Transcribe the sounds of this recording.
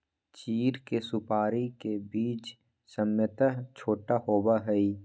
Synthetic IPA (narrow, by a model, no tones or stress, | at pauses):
t͡ʃiːɾkesʊpaːɾikebiːt͡ʃ | səmjət̪at͡ʃʰoːʈahoːbaɦɛi